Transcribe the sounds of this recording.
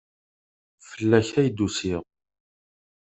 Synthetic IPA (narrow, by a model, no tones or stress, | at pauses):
fəlːæçæjd̪usɪʁ